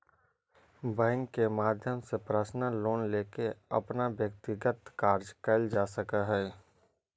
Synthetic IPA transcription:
bɛ̃ːŋkːemaːd̪ʱjəmsepɾəʃnəloːnleːkeɐ̰pnaʋjək̚t̪ɪɡət̪kaːɾd͡ʒkɐld͡ʒaːsəkaɦɛː

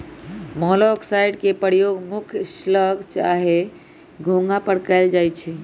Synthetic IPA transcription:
mɔlɔksajɖkepəɾjoɡmukʰsləɡʱt͡ʃa̰ɦe | ɡʱõŋɡapəɽkaɪld͡ʒajt͡ʃʰɛ

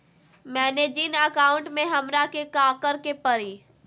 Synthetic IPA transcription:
mɛ̃ːned͡ʒiːnəkaːʊ̃ɳʈmẽɦɐmɾakekaːkəɾkepɐɾiː

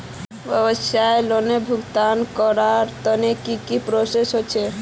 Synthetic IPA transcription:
bəbəsjaelonebʱuɡt̪ankɔɾaɾt̪ənekikipɾosesɦot͡ʃʰe

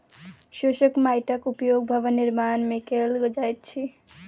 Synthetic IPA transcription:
ʃoʃəkmajʈəkupjoɡ̚bʱəʋəniɾmanmekelɡod͡ʒajt̪̚t͡ʃʰi

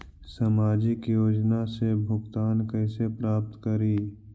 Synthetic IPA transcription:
samaːd͡ʒɪkjoːd͡ʒnasebʱʊɡt̪aːnkɛːsepɾaːp̚t̪kəɾiː

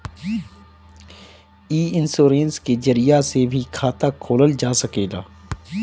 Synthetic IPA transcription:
iːɪnsoːɾẽːnskezəɾijasebʱikʰaːt̪akʰoːləld͡ʒaːsɐkeːla̰ː

